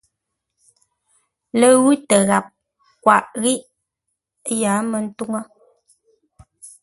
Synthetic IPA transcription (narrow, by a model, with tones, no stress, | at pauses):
lə˨ɣʉ˦tə˨ɣa˨p̚ | kwa˨ʔɣi˦ʔ | jaː˨˦mə˨n̩˦tu˦ŋə˦